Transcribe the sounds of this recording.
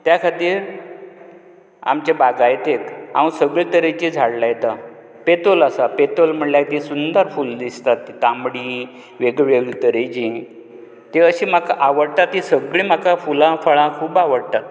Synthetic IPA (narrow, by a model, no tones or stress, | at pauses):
t̪jakʰat̪iːɾ | a̰mt͡ɕebaɡajet̪eka̰ũsəɡɭit̪əɾet͡ɕid͡zʱaɽlajt̪a | pet̪olasapet̪olm̤əɳljajt̪isund̪əɾfuld̪ist̪at̪kamɽi | ʋeɡɭʋeɡɭt̪əɾet͡ɕi | t̪eəɕiːm̤akaʔaʋəɽt̪at̪ːisəɡɭĩm̤akafulãfəɭãkʰuːbaʋəɽt̪at̪